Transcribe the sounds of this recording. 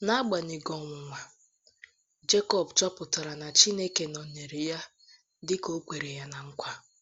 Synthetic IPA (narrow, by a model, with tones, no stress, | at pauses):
na˦a˦ɡ͡ba˨ni˨ɡɔ˨ŋʷʊ˨ŋʷa˨ | d͡ʒe˦kɔ˦bt͡ʃɔ˦pʊ˨ta˨ɾa˨na˨t͡ʃi˦ne˦ke˨nɔ˨ne˨ɾi˨ja˦ | dɪ˦ko˦kʷe˨ɾe˨ja˦na˨ŋ̩˦kʷa˦